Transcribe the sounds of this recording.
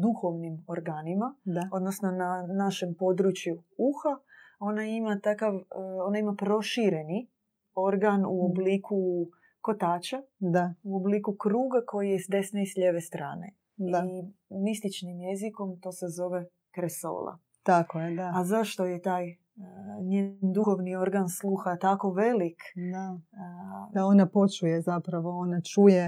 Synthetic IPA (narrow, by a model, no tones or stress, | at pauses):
d̪uxoʋnimo̞ɾɡaːnimaao̞d̪nosno̞nanaʃe̞mpo̞d̪ɾut͡ʃjuuxao̞naimat̪akaʋo̞naimapɾo̞ʃiɾe̞ni | o̞ɾɡanuoblikʰu | ko̞t̪aːt͡ʃad̪auoblikukɾuːɡako̞jijesd̪e̞snaisʎeʋest̪ɾa̰ːne̞̰ | diamist̪it͡ʃnimjeziko̞mt̪o̞ːse̞zo̞ʋe̞ | kɾeso̰ːlˠa̰ | t̪akojed̪aazaʃt̪o̞je̞t̪aːj | ɲeːnd̪uxoʋnio̞ɾɡanslˠuxat̪ako̞ʋe̞likd̪a | d̪aonapo̞t͡ʃujezapɾaʋo̞onat͡ʃuje